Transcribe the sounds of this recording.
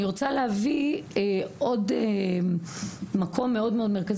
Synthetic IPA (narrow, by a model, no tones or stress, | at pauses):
iʁot͡salehavieo̞de | makʰo̞mːe̞o̞dmeo̞dmeʁkaz